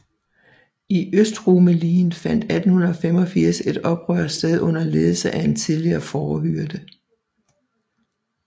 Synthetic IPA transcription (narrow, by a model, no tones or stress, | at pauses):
iʔøsd̥ʁoməliːnfæn̰d̥æd̥n̩hunɐɒ̽fem̰ɒ̽fiɐ̰se̝d̥ɒ̽b̥ʁœɐ̰d̥sd̥eð̞ˠʔɔ̽n̰ɐleːð̞ˠl̩səʔæe̝nt͡sʰiðˠliɐːfɒːhyɐd̥ə